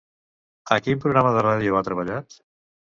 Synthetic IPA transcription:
əkimpɾuɣɾaməðəraðjuat̪ɾəβ̞əʎat̪

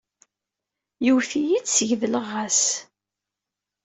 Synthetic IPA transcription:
juwθijit͡ssəʝðələʁːæs

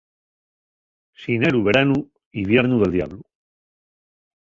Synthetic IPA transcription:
sineɾuβe̞ɾanu | iβje̞ɾnuðe̞ld̪ja̰βlu

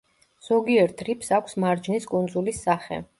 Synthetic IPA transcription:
z̥ɔɡiɛɾt̪ʰɾipʰsakʷʰsmaɾd͡ʒniskʼund̪zulisːaχɛ̰

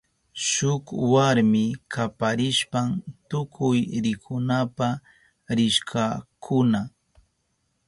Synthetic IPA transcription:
ʃʊkwaɾmɪkʰapaɾɪʃpant̪ʊkʰʊjɾɪkʰʊnapa | ɾɪʃkʰakʰʊna

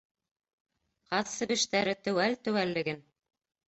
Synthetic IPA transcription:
qɑðsɘ̆βɘ̆ʃt̪æɾɘt̪ɵ̆wælt̪ɵ̆wælːɘ̆ɡɘn

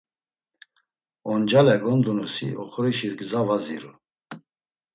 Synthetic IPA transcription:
ɔnd͡ʒalɛɡɔnd̪unusḭʔɔχɔɾiʃiɾɡzavazḭɾṵ

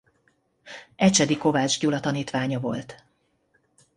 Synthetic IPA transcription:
ɛt͡ʃɛd̪iko̞vaːd͡ʒɟulɒt̪ɒniːt̪ʋaːɲɒvo̞̰lt̪

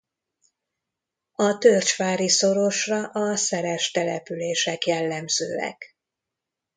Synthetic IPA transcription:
ɒt̪ørt͡ʃfaːɾiso̞ɾo̞ʃrɒʔɒsɛɾɛʃt̪ɛlɛpyleːʃɛkjɛlːɛmzø̰ːɛ̰k

